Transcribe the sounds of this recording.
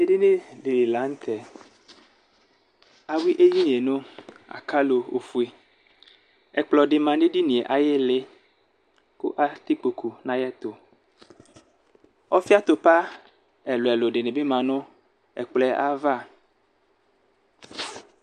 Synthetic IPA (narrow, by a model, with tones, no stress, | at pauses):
e˦de˦nẽ˦ɖe˨la˨˦ŋ̩˦t̪ʰɛ˨ | a˨wi˦ʔe˦ji˦nĩ˨e˨nõ˦ | a̰˨ka˦lo˨o˨fu˨e˨ | ɛ˨k͡plɔ˨ɖe˨mã˨ne˦ɖi˦nĩ˨e˨ʔa˨je˦le˦ | kṵ˦ʔa˦t̪i˦k͡po˨kʰu˨nã˦jɛ˦t̪o˨ | ɔ˦fi˦a˦t̪o˨pa˦ | ɛ˨lo˨ɛ˨lo˨ɖe˨nẽ˨be˦mã˨nõ˦ | ɛ̰˨k͡plɛ˦ʔa˦va˦˨